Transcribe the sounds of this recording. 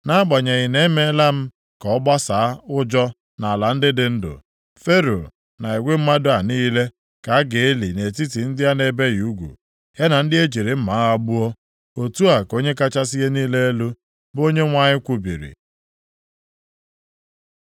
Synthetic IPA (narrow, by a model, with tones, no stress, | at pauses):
na˦ɡ͡ba˨ɲe˨ɣɪ˨ne˦me˦la˦m̩˦ | kɔ˨ɔ˦ba˦sa˨a˦ʊ˦d͡ʒɔ˦ | na˨a˨la˨n̩˦dɪ˦dɪ˨n̩˦dʊ̰˨ | fe˦ɾo˨ | na˨i˨ɡʷe˦m̩˦ma˦dʊ˦˨a˨niː˦le˦ | ka˨a˦ɡe˨e˦li˨ne˨ti˦ti˨n̩˦dɪ˦a˦ne˨be˦ju˦ɡʷṵ˨ | ja˦na˨n̩˦dɪ˦e˦d͡ʒi˨ɾe˨m̩˦ma˨˦a˦ɡ͡bu˦o˦ | o˨tu˦a˨ko˦ɲe˦ka˦t͡ʃa˦si˦ɦe˦niː˦le˦e˦lu˦ | bo˦ɲe˦ŋʷa˦ɲɪ˦kʷu˦bḭ˨ɾḭ˨